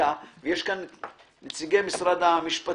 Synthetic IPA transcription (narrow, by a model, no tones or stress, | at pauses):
avejeʃkanː | et͡siɡejmisɾad̪amiʃpa